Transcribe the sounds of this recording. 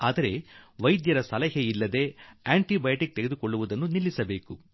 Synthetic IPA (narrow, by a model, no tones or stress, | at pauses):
aːd̪ɐɾe̞ʋɐjd̪jɐɾɐsɐlɐɦɐilːɐd̪e̞ːaːɳʈibɐjɐʈik̚t̪eɡed̪ukoɭːuʋud̪ɐnːunilːisɐbe̞ːku